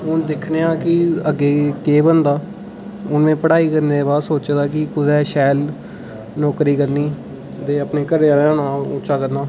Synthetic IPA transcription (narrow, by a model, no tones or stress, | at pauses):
ɦʊnd̪ɪkʰneːãːkɪəɡeːkeːbənd̪aː | ʊnmẽːpəɽaːiːkəɾneːbaːsoːt͡ʃd̪aːkɪkʊd̪ɛːʃɛːl | nɔːkɾiːkəɾniː | t̪eːəpneːkəɾeːɾaːnaːʊt͡ʃʃaːkəɾnaː